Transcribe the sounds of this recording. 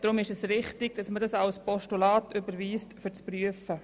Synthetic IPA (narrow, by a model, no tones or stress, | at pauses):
d̥ɾʊmɪʃɛsrɪχtɪɡ̥̚d̥ɑsmədɑsalspɔʃtulɑːtʏbəɾʋiːstfʏɾt͡spryəfə